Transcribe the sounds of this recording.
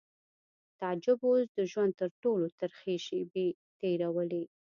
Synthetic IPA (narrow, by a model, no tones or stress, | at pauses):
t̪ɑd͡ʒɪbozd̪əʒwand̪̚t̪əɾʈolot̪aɾxeʃebe | t̪eɾawəle